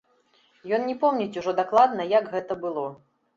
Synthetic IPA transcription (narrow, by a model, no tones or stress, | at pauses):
jɔnnʲɛpɔmnʲɛt͡sʲuʐɔd̪aklˠad̪nɐjaɡɣɛt̪ɐbɨlˠɔ